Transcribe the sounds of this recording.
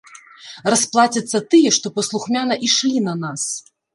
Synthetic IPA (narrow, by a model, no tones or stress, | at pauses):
rɐsplˠat͡sʲɐt̪sːɐt̪ɨjɛʂt̪ɔpɐslˠuxmʲanɐʔiʂlʲinɐnas